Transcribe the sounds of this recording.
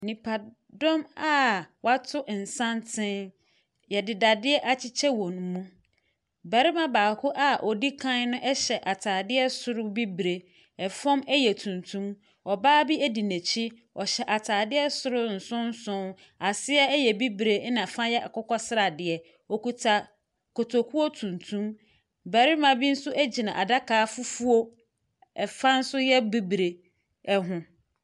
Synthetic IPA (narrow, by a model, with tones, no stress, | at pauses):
nĩ˨pʰa˨ | dɔ˦ma˦wa˦tʰʊ˦ʔn̩˨sã˦ntʰɪ̃˦n | jɛ˨dɪ˨da˨dɪ˦ɛ˦ʔa˨t͡ɕʰɪ˦t͡ɕʰɛ˦wɔ̃˨n˦mũ˦ | bɛ˨ɾɪ˦mã˦˨baː˨kʰʊ˦ʔa˦ʔɔ˨di˦kʰã˦n˦nʊ̃˦ʔɛ˦ɕɛ˨ʔa˨tʰaː˨dɪ˦ɛ˦sʊ˨ɾʊ˦bi˦bɾe˨ | ɛ˨fɔ̃˦mɛ˦jɛ˨tʰũ˨ntʰũ˦m | ɔ˨baː˦bi˦æ˦di˨næ˨t͡ɕʰi˦ | ɔ˨ɕɛ˨ʔa˨tʰaː˨dɪ˦ɛ˦sʊ˦ɾʊ˦n̩˨sʊ̃˦n̩˦sʊ̃˦ | a˨sɪ˦ɛ˦jɛ˨bi˦bɾe˨˦nã˨fã˦jɛ˦ʔa̰˨kɔ˦kɔ˦sɪ˦ɾa˨dɪ˨ɛ˨ | ɔ˨ku˨tʰa˨ | ko˨tʰo˨kʰu˦o˦tʰũ˨ntʰũ˦m | bæ˨ɾi˦mã˨bi˦n̩˦sʊ˦ʔæ˦d͡ʑi˨nã˨ʔa˨da˦kaː˨˦fʊ˦fu˦o˦ | ɛ˨fã˦n̩˦sʊ˦jɛ˦bi˦bɾe˨ | ɛ˦ɦʊ̃˨